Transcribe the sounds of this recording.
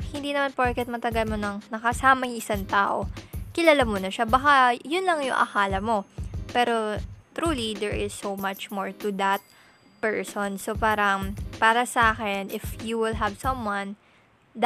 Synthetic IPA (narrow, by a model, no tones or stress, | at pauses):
hɪnd̪inɐmanpoɹkɛt̪̚mɐt̪ɐɡɐlmonɐŋnɐkɐsaːmɐjʊŋʔɪsaŋt̪aːʔo̞̰kɪlalamonɐʃabɐkajʊnlɐŋjʊ̰ŋʔɐ̰kaːlɐmo̞pɛːɾo̞t̪ɾuːlid̪ɛɹʔɪz̥ːowmat͡ʃmoɹt̪ud̪ɐt̪̚ | pɛɹsɔnsopaːɾɐŋpaːɾɐsɐʔaːkɛnʔɪfjuwɪlɦɐvsɐ̃mwɐ̃n | d̪